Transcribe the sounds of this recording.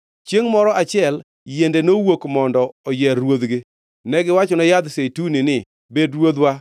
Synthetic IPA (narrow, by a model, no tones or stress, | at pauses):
t͡ʃeŋmɔɾɔʔat͡ʃɪɛl | jendenowokmɔndɔɔjɛɾwod̪ɡɪ | nɛɡɪwat͡ʃɔnɔjad̪setunɪnɪ | bedɾwod̪wa